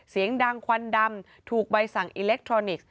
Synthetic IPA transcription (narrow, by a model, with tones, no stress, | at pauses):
si˨˩˦əŋda˧ŋkʰwa˧nda˧m | t̪ʰuː˨˩k̚ba˧jsa˨˩ŋʔiː˧le˦˥k̚t̪ʰɾɔː˧ni˨˩k̚